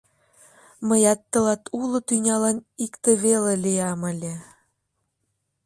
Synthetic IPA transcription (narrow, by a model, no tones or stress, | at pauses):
mə̆jɑt̪ːɤ̆lɑt̪ulŏt̪ynʲɑlɑnikt̪ĕβelelʲijɑmə̆lʲe